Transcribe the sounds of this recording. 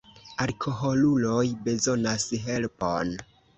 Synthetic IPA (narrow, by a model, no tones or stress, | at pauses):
alkʰo̞ɦo̞lulo̞jbe̞zo̞nasɦe̞lpo̰n